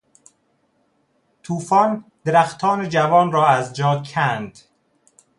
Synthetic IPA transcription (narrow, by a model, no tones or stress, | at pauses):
t̪ʰuːfɒːnd̪̥eɾæxt̪ʰɒːned͡ʒævɒːnrɒːæzd͡ʒɒːkʰænd̪̥